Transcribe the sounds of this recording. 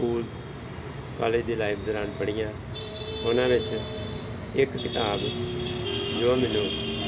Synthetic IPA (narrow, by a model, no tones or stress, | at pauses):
uːl | kɔ̰ːleːd͡ʒd̪iːlaːɪpʰd̪oːɾaːnpəɽɪjãː | ʊnãːɾɪt͡ʃ | ɪkkɪt̪aːb | d͡ʒoːamɛnũː